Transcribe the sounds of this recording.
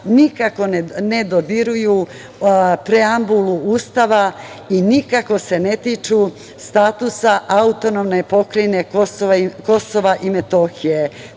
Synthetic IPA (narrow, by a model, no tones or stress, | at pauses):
nikako̞nne̞d̪od̪iɾuju | pɾeambuluuːst̪aʋa | inikako̞se̞ne̞t̪it͡ʃu | st̪aːt̪usaʔaut̪o̞nomne̞po̞kɾejne̞kosoʋako̞so̞ʋaʔimet̪o̞xije